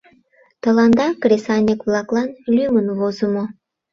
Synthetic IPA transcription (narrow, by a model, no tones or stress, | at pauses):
t̪əlɑnd̪ɑkɾesɑnʲekβlɑklɑnlʲymənβozəmo